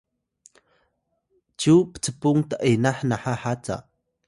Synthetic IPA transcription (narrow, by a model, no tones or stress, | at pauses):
t͡ʃupə̥t͡sʰəpuŋt̪aʔenaħnaħaħat͡sa̰